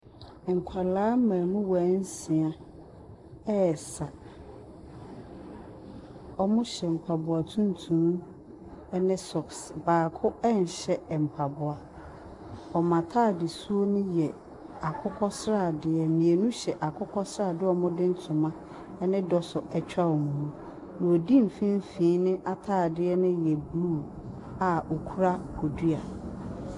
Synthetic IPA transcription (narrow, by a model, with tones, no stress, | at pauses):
ŋ̩˨kʷʰa˨laː˦mãː˨nʊ̃˦wa˨˦n̩˦sɪ̃˨ã˦ | ɛ˦˨sa˨ | ɔ˦mʊ̃˦ɕɛ˨m̩˨kʰa˨bʊ˨a˨tʰũ˦n˦tʰũ˦m˦ | ɛ˦nɪ̃˦sɔ˨ksbaː˨kʰʊ˦ɛ˦n˨ɕɛ˦ɛ˨m̩˨pʰa˨bʊ˨a˨ | ɔ˨mã˨tʰaː˦˨dɪ˨su˦o˦nʊ̃˦jɛ˨ | a˨kʰʊ˦kʰɔ˦sɾa˦˨dɪ˨ɛ˨mĩ˨e˨nũ˦ɕɛ˨ʔa˨kʰʊ˦kʰɔ˦sɾa˦˨dɪ˦ɔ˨mʊ̃˦dɪ̃˦n̩˦tʰʊ̃˨mã˦ | nɪ̃˦dɔ˨sʊ˨ʔɛ˨t͡ɕᶣa˦wɔ˨mũ˨˦ | nã˨o˨di˦m̩˨fĩ˦m̩˦fĩ˦nɪ̃˦ʔa˦tʰaː˦˨dɪ˦ɛ˦nɪ̃˦jɛ˨bluː˦˨ | a˨o˨kʰu˦ɾa˦kʰo˨du˦a˨